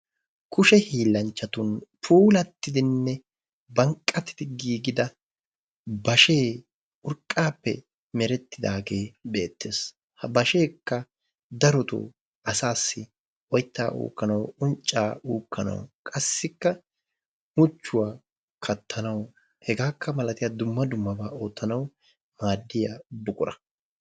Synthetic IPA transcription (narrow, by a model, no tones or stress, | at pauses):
kʰʊʃɛhiːlːɐnt͡ʃːɐt̪ʊnpʰuːlɐt̪ːɪd̪ɪnːɛ | bɐŋkʼːɐt̪ɪ̥d̪ɪɡiːɡɪd̪ɐ | bɐʃe̞ː | ʊɾkʼːaːpːɛ̰ | mɛɾɛt̪ːɪd̪aːɡe̞ːbe̞ːt̪ːe̞ːs | hɐbɐʃe̞ːkːɐ | d̪ɐɾɔt̪ʊ̰ | ɐsaːsːɪ | ɔjt̪ːa̰ːʔṵːkːɐnɐwʊnt͡ʃʼːa̰ːuːkʰːɐnɐ̰wkʼɐsːɪkːɐ | mʊt͡ʃːʊwaː | kʰɐt̪ʰːɐnɐw | hɛɡaːkʰːɐmɐlɐt̪ɪjad̪ʊmːɐd̪ʊmːɐbaːo̞ːt̪ːɐnɐw | maːd̪ːɪjabʊkʼʊɾɐ̰